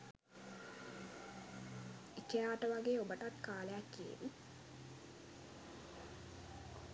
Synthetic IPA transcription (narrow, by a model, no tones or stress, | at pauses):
ikejaːʈəʋaɡeːobəʈat̪kaːlejakːiḛʋi